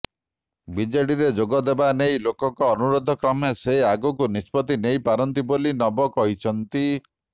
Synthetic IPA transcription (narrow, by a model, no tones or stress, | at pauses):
bid͡ʒeɽiɾed͡ʒoɡɔd̪ebanejlokɔŋkɔːnuɾod̪ʱɔkɾɔmeseaɡɔkunispɔt̪inejpaɾɔnt̪̬ibolinɔbɔkɔɦit͡ʃʰɔnt̪i